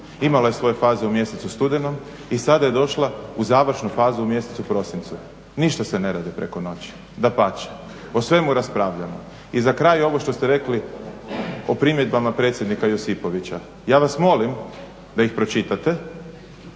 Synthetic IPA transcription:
imalaje̞sʋo̞je̞faːzeumje̞set̪sust̪ud̪eno̞m | isad̪aje̞d̪o̞ʃlˠauzaːʋr̩ʃnufaːzuumje̞set̪supɾo̞sint̪su | niʃt̪asene̞ɾaːd̪ipɾe̞ko̞no̞t͡ɕi̥ | d̪apat͡ʃe̥ | osʋe̞muɾaspɾaːʋʎamo | izakɾajo̞ʋo̞ʃt̪o̞st̪eɾe̞kli | opɾimje̞d̪bamapɾe̞t̪sjed̪nikajosipo̞ʋit͡ɕa | jaːʋasmo̞lim | d̪aixpɾo̞t͡ʃit̪at̪e̞

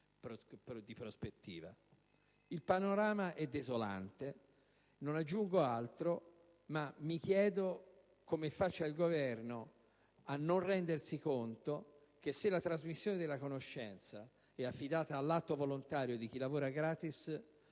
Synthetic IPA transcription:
pɾod̪ipɾospet̪ːḭːva̰ | ilpanoɾaːmaʔɛd̪ezola̰nt̪e | nonad͡ʒːuŋɡoalt̪ɾo | mamːik̟jɛːd̪o | komefat͡ʃːailɡovɛrno | anːonrɛnd̪ersikont̪o | k̟esːelat̪ɾazmisːjoːned̪elːakonoʃːɛnt̪sa | ɛafːid̪aːt̪aːlːat̪ːovolont̪aːɾjod̪ik̟ilːavoːɾaɡɾaːt̪is

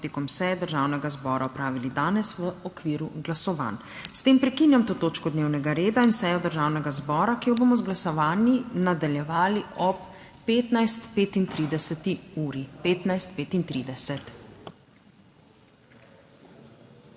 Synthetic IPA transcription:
t̪ekɔmsɛjɛd̪əɾʒaːwnɛɡazbɔːɾaɔpɾaːʋilid̪aːnɛsʋəɔkʋiːɾuɡlasɔʋa̰ːn | st̪eːmpɾɛkinjamt̪oːt̪oːt͡ʃkɔd̪neːwnɛɡaɾeːd̪ainsɛjɔd̪əɾʒaːwnɛɡazbɔːɾakijɔbomɔzɡlasɔʋaːnjinad̪aljɛʋaːliɔpː | eːt̪najst̪peːt̪int̪ɾiːd̪ɛsɛt̪iuːɾipeːt̪najst̪̚peːt̪int̪ɾid̪ɛsɛt̪

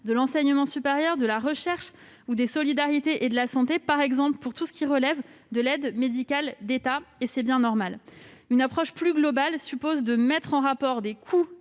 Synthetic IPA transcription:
d̪əlɑ̃sɛɲəmɑ̃sypeʁjœʁd̪əlaʁəʃɛʁʃ | ud̪esɔlid̪aʁit̪eʔed̪əlasɑ̃t̪epaʁɛɡzɑ̃pləpuʁt̪usə̥kʲiʁəlɛvd̪əlɛd̪med̪ikʲald̪et̪aesɛbjɛ̃nɔʁmalynapχɔʃplyɡlɔbalsypozd̪əmɛt̪χɑ̃ʁapɔʁd̪ekʰu

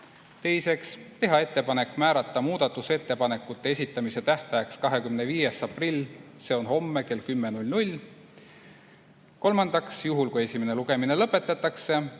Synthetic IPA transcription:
t̪e̞jse̞kst̪e̞ɦɑe̞t̪ːe̞pɑne̞kːˑmæːɾɑt̪ːˑɑmuːd̪ɑt̪ːˑuse̞t̪ːe̞pɑne̞kːˑut̪ːe̞esʲit̪ːˑɑmise̞t̪æht̪ɑjɑkskɑɦe̞kymneviːje̞sɑprilʲːse̞ːo̞nho̞mːe̞ke̞lkymːenulʲnulʲ | ko̞lmɑnd̪ɑksjuɦulkuesʲime̞ne̞luɡ̥e̞mine̞lɤpːˑe̞t̪ːˑɑt̪ːˑɑkse̞

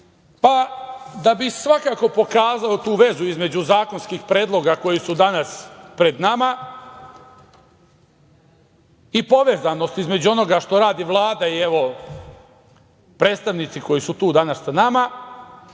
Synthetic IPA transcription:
pad̪abisʋakako̞po̞kaːzaot̪uːʋe̞zuizme̞d͡ʑuzaːko̞nskixpɾe̞ːd̪lˠo̞ɡako̞jisud̪anaspɾe̞d̪nama | ipo̞ʋe̞ːzano̞st̪izme̞d͡ʑuo̞no̞ɡaʃt̪o̞ɾaːd̪iʋlˠaːd̪aieʋo̞ | pɾeːt̪st̪aʋnit̪siko̞jisut̪uːd̪anassanama

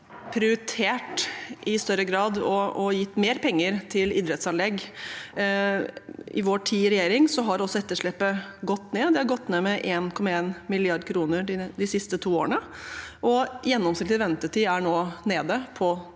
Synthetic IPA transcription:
pʰɾɪɪt̪ʰeːʈʔɪst̪œɾəɡɾɑːd̪ɔɔjɪt̪ːmeːɾpʰɛŋːəɾt̪ʰɪlɪd̪ɾɛt̪sɑnlɛɡː | ɪ̰ʋoːʈʰiːɾɛjeːɾɪŋsɔɦɑɾɔsːɔɛt̪ːəʂɭɛpːəɡɔt̪ːneːd̪ɛhɑɾɡɔt̪ːneːmɛʔeːnkʰɔmɑeːnmɪlɪɑɖkʰɾuːnəɾɖɪd̪ɪsɪst̪ət̪ʰuːo̰ːɾəɳə | ʔɔjɛnːɔmsnɪk̪t̪ɪʋɛnt̪əʈiːæɳoːneːd̪əpʰɔ

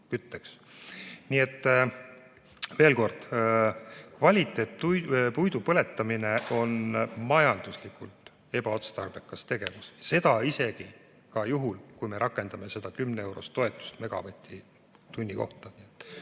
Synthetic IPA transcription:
kyt̪ːeks | nie̞t̪ː | ve̞ːlko̞rd̪̥ | kvɑlʲit̪ːˑe̞t̪upujd̪upɤ̞le̞t̪ːˑɑmine̞o̞nmɑjɑnd̪̥uslikult̪ | e̞b̥ɑo̞t̪st̪ɑrb̥e̞kːˑɑst̪e̞ɡ̥e̞vusse̞d̪̥ɑise̞ɡ̥i | kɑjuɦulkujme̞ɾʔɑkːˑe̞nd̪̥ɑme̞se̞d̪̥ɑkymnee̞wɾo̞̰st̪ːˑo̞e̞t̪ːˑu̥st̪me̞ɡ̥ɑ̰vet̪ʲʰːˑi | t̪unʲːiko̞̰ht̪ɑniet̪ːˑ

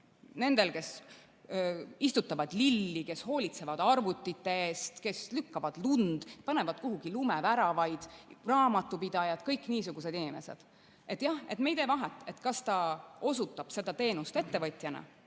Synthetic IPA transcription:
ne̞nd̪e̞lke̞s | ist̪ut̪ːˑɑvɑd̪̥lilːike̞sho̞ːlʲit̪se̞vɑd̪ɑrvut̪ːˑit̪ːe̞eːst̪ke̞slykːɑvɑd̪̥lund̪̥pɑne̞vɑd̪̥̚kuɦuɡ̥ilumevæɾɑvɑjd̪̥rɑːmɑt̪ːˑupid̪̥ɑjɑd̪̥kɤjkːˑniːsuɡ̥use̞d̪inime̞̰sḛd̪̥ | e̞t̪ːˑjɑhe̞t̪me̞jd̪̥e̞vɑɦɛt̪ːˑe̞t̪kɑst̪ɑo̞sut̪ːˑɑb̥se̞d̪ɑt̪e̞ːnust̪e̞t̪ːe̞vɤt̪jɑnɑ̰

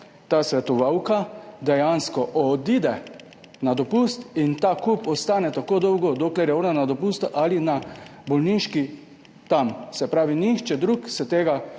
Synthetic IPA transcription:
t̪aːsʋɛt̪ɔʋawkad̪ɛjanskɔʔɔd̪id̪ɛ | nad̪ɔpust̪int̪aːkupɔst̪aːnɛt̪akod̪ɔwɡɔd̪oklɛɾjɛɔɾnanad̪ɔpuːst̪ʔalinabɔlniʃki | t̪amsɛpɾaːʋinixt͡ʃɛd̪ɾuksɛt̪eːɡa

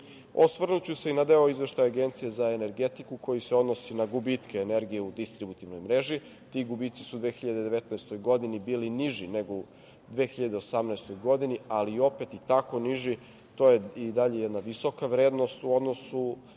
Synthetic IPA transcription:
osʋrnut͡ɕuse̞inad̪e̞oizʋe̞ʃt̪ajaɡe̞nt̪sije̞zae̞ne̞ɾɡet̪ikuko̞jiseo̞d̪nosinaɡubit̪kʰeːne̞ɾɡijeud̪ist̪ɾibut̪iʋno̞jmɾe̞ʒi | t̪iɡubiːt̪si̥suːd̪ʋeːxiʎad̪e̞d̪e̞ʋet̪naest̪o̞jɡo̞d̪inibiːliniʒine̞ɡo | d̪ʋeːxiʎad̪e̞osamnaest̪o̞jɡo̞d̪inialio̞pet̪it̪ako̞niʒi | t̪o̞jeid̪aʎe̞jɛd̪naʋiso̞kaʋɾe̞ːd̪no̞st̪uo̞d̪no̞su

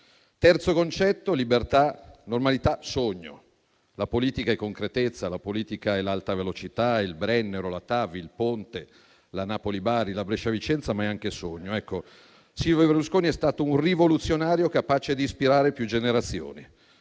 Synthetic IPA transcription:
t̪ɛrt̪sokont͡ʃɛt̪ːolibert̪anormalit̪asoɲːo̰ | lapoliːt̪ikaɛkːoŋkɾet̪et̪sːalapoliːt̪ikaɛlalt̪avelot͡ʃit̪ailbɾɛnːeɾolat̪aːvilpont̪e | lanaːpolibaːɾilabɾɛʃavit͡ʃɛnt̪samaɛaŋkesoɲːoɛkːo | silvobeɾluskoːniɛst̪aːt̪ourivolut̪sːjonaːɾjokapaːt͡ʃed̪iːspiɾaːɾepjud͡ʒeneɾat̪sːjo̰ːni

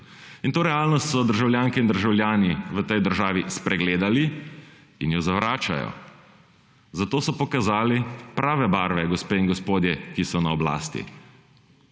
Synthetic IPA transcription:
int̪oːɾɛaːlnɔst̪sɔd̪əɾʒawljaːŋkɛind̪əɾʒawljaːniʋət̪ɛjd̪əɾʒaːʋispɾɛɡleːd̪ali | injɔzaʋɾaːt͡ʃa̰jɔ̰ | zat̪oːsɔpɔkazaːlipɾʔaːʋɛbaːɾʋɛɡɔspeːinɡɔspoːd̪jɛkisɔnaɔbla̰ːst̪ḭ

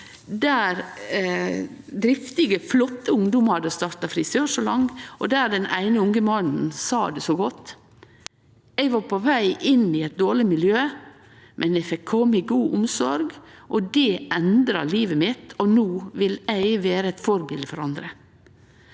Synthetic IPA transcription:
d̪æːɾ | d̪ɾɪft̪ɪɪɡəflɔt̪ːəʊŋd̪ʊmɑd̪ɛst̪ɑːɾt̪ɑfɾɪsøːʂɔlɑŋːʔɔd̪æːɾɖɛnæ̰ɪnəʊŋəmɑnn̩sɑːd̪ɛsoːɡɔt̪ː | ɛɪɡʋɑːpʰɔʋæɪʔɪnɪɛɪt̪̚d̪oːɾɭɪmɪljøː | mʔɛnɛfɛkʰːɔmːɪɡuːʔʊmsɔɾɡʔɔd̪ɛʔɛnd̪ɾɑliːʋəmɪt̪ɔnuːʋɪlæɪʋeːɾəɛt̪fɔɾbɪld̪fɔɾɑnd̪ɾə

